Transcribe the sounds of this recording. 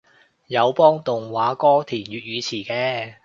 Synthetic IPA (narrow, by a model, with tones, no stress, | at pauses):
jɐ˨˧wpɔː˥ŋt̪ʊ˨ŋwaː˨˥kɔː˥t̪ʰiː˨˩nɥyː˨˧t̚ɥyː˨˧t͡sʰiː˨˩kɛː˧